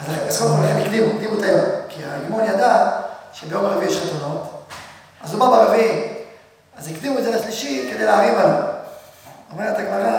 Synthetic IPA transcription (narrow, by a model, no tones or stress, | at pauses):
azaeaskolalaχenikd̪imukd̪imut̪ajomkia̰imonjad̪aʃebejo̞maʁevijeʃʁetono̞t̪ | azumabaʁevii | azikd̪imued̪zelaʃliʃike̞d̪ejleaʁivala | omeet̪aɡmaʁa